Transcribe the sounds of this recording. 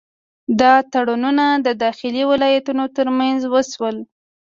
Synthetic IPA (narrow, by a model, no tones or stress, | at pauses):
d̪ɑt̪aɽununad̪əd̪ɑxɪliwɪlɑjat̪unot̪əɾmanzwəswəl